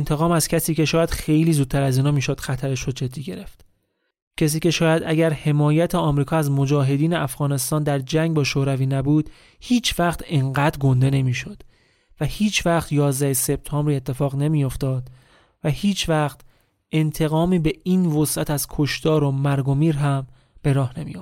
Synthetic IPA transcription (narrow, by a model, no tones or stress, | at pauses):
ent̪ʰe̞ɣɒːmæz̥cʲʰæsiːce̞ʃɒːjæd̪̥xe̞jliːzuːd̪̚t̪ʰæɾæziːnɒːmiːʃod̪xæt̪ʰæɾeʃɾoːd͡ʒe̞d̪ːiːɟe̞ɾe̞ft̪ | cʰes̬iːce̞ʃɒːjæd̪ʔæɟæɾhe̞mɒːjæt̪ʰeɒːmɾiːkʰɒːæzmo̞d͡ʒɒːɦe̞d̪iːneʔæfɣɒːne̞st̪ɒːnd̪æɾd͡ʒæŋɡbɒːʃoːɾæviːnæbuːd̪ | hiːt͡ʃʰvæχt̪ʰeŋɢæːd̪ɾɡo̞nd̪e̞ne̞miːʃod̪̥ | væhiːt͡ʃʰvæχt̪jɒːzd̪æhese̞b̚t̪ʰɒːmbɾiːe̞t̪ʰːe̞fɒːɣne̞miːjo̞ft̪ɒːd̪̥ | væhiːt͡ʃʰvæxt̪ | ʔe̞nt̪ʰe̞ɣɒːmiːbe̞iːnvosæt̪ʰæz̥kʰoʃt̪ɒːɾo̞mæɾɡo̞miːɾɦæm | b̥e̞ɾɒːhne̞mḭjof